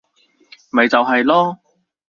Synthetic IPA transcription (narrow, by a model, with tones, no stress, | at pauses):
mɐ˨jt͡sɐ˨wɦɐ˨jlɔː˥